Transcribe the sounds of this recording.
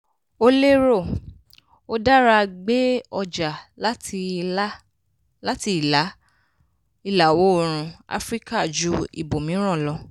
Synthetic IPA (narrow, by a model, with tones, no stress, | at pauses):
o˦le˦ɾo˦˨ | o˦da˦ɾa˧ɡ͡be˦ɔ˧d͡ʒa˨la˦ti˧˦ | la˦ti˧i˦˨la˨˦ | i˦˨la˨wo˨˦o˧ɾ̃ũ˧a̰˦fɾi˦ka˦˨d͡ʒu˨˦ḭ˨bo˨mĩ˨˦ɾ̃ɔ̃˦˨lɔ˧